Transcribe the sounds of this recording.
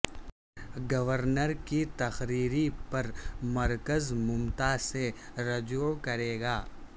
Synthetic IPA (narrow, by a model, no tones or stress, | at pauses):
ɡɐʋəɾnəɾkit̪ɐxɾiːɾipɐɾmɐɾkəzmʊmt̪aːseɾɐd͡ʒokɐɾeːɡaː